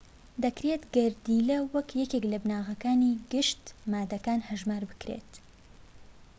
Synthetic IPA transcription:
d̪ɐkɾet̪ɡɐɾd̪iːlɐwɐkʰjɛkeklɐbnaːɣɐkaːniɡɨʃt̪maːd̪ɐkaːnhɐʒmaːɾbɨ̥kɾḛt̪

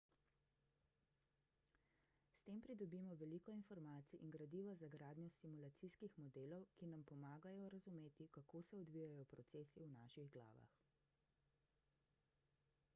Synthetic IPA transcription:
st̪eːmpɾid̪ɔbimɔʋɛliːkɔinfɔɾmaːt̪siʔiŋɡɾad̪iːʋazaɡɾaːd̪nʲjɔsimulat̪siskixmɔd̪eːlɔwkinampɔmaːɡajɔɾazumeːt̪ikakoːsɛɔd̪ʋijajɔpɾɔt̪seːsiwnaːʃiɣɡla̰ːʋa̰x

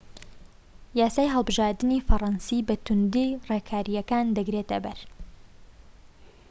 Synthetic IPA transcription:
jaːsaːjɦəlˠbɨʒaːɾd̪ɨnifɐrˤɑnsiːbɐt̪ʊnd̪ireːkʰaːɾijɐkaːnd̪ɐɡɾeːt̪ɐbɐɾ

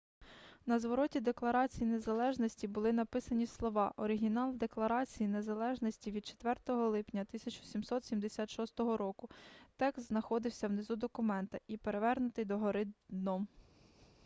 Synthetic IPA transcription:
nɐzʋɔɾɔtʲid̪e̞klˠɐɾɑt͡sʲijinezɐlˠɛʒnɔsʲtʲibʊlˠɪnɐpɪsɐnʲislˠɔʋɑʔɔɾɪɦʲinɑlˠd̪e̞klˠɐɾɑt͡sʲijine̞zɐlˠɛʒnɔsʲtʲiʋʲid̪t͡ʃe̥t̪ʋɛrt̪ɔɦɔlˠɪpnʲɐt̪ɪsʲɐt͡ʃʊsʲimsɔt̪sʲimd̪esʲat̪ʃɔst̪ɔɦɔɾɔkʊt̪ɛkst̪znɐxɔd̪ɪwsʲɐwnezud̪ɔkʊmɛnt̪ɐipe̞ɾe̞ʋɛrnʊt̪ɪjd̪ɔɦɔɾɪnɔm

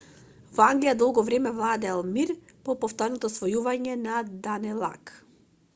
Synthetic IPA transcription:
vaŋɡlijad̪ɔlˠɡɔvɾɛmɛvlˠad̪ɛlˠmiɾpɔpɔft̪ɔɾnɔt̪ɔsvɔjuvaɲɛnad̪anɛlˠa̰k

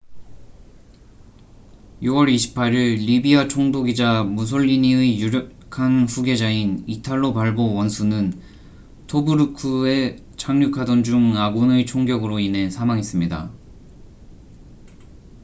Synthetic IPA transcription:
juwʌɾiɕʰi̥pʰaɾiɭːibiat͡ɕʰoŋdoɡid͡ʑamus̬ʰoʎːiɲiɯjuɾjokʰanɸuɡe̞d͡ʑainitʰaɭːopaɭbowʌnsʰunɯn | tʰobuɾukʰɯe̞ | t͡ɕʰaŋɲukʰadʌnd͡ʑuŋaɡunɯit͡ɕʰoŋɡjʌɡɯɾoinɦe̞sʰamaŋes͈ɯmɲida̰

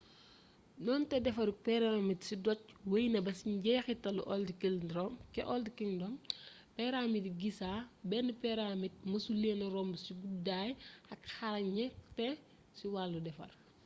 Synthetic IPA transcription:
nɔntɛdɛfɐɾpɛɾamitsidɔc̚wɐjnɐbɐsiɟɛːxitɐluʔɔldikildɾɔmkɛʔɔldikindɔm | pɛɾaːmitɡisaːbɛnpɛɾamit̚mɐsulenɐɾɔmbusiɡudaːjɐkxalɐɲɛtɛ | siwaːlːudɛfɐ̰r

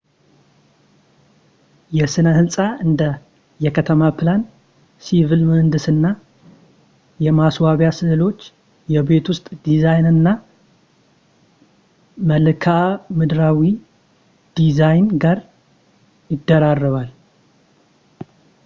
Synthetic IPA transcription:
jɛsɨnəhɨlsʼaɨnd̪ə | jɛkʰət̪ʰəmapʰɨlan | sivilmənd̪ɨsɨnːa | jɛmaswaβjasɨɨlo̞t͡ʃː | jɛβe̞t̪wʊst̪ʼd̪izajnɨnːa | məlɨkʰamɨd̪ɾawi | d̪̥izajnɡaɾ | jɪd̪ːəɾarːəβal

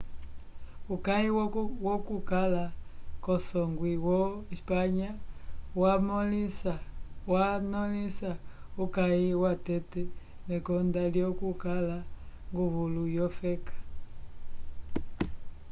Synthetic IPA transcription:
ukaiwokukalakɔsɔŋɡwiwɔispaɲawamliswanɔlisaukaiwatetɛ | nekɔndaljokukalaŋɡuβulujɔfɛkḁ

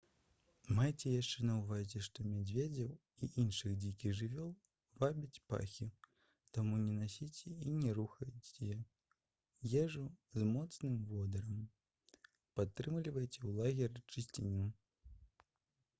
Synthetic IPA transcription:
majt͡sʲɛjaʂt͡ʂɛnɐwvazʲɛʂt̪ɔmʲad͡zʲvʲed͡zʲɐw | iʔinʂɨɣd͡zʲikʲiɣʐɨvʲɔlˠ | vabʲit͡sʲpa̰xʲi | t̪amunʲɛnasʲit͡sʲɛinʲɛɾuxɐjt͡sʲɛjɛ | jɛʐuzmɔt̪snɨmvɔd̪ɐɾɐm | pat̪ːɾɨmlʲivɐjt͡sʲɛwlˠaɣʲɛrt͡ʂɨsʲt͡sʲinʲin

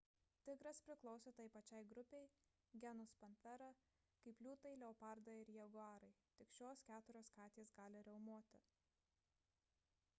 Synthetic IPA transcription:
t̪ʲɪɡɾɐspʲɾʲɪklˠɒʊsʲoːt̪ɐjpɐt͡ʃʲɛɪɡɾʊpʲɛɪ | ɡʲɛnʊspɐnʲfʲɛɾɐ | kɐɪplʲuːt̪ɐɪlʲɛopɑɾd̪ɐɪɾjɛɡʊɑːɾɐɪt̪ʲɪkʃʲoːskʲæːt̪ʊɾʲoːskɑːt̪ʲeːsɡɑːlʲɪɾʲɛʊmuɔt̪ʲɪ

